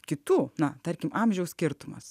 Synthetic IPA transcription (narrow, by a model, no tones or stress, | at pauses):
kʲɪt̪uːnɐt̪ɐɾʲkʲɪmʔɑmʲʒʲɛʊsʲkʲɪɾt̪ʊmɐ̰s